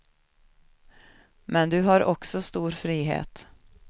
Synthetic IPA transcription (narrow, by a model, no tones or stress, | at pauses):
mɛnd̪ɵɦaɾɔksɔst̪uːɾfɾiːɦḛːt̪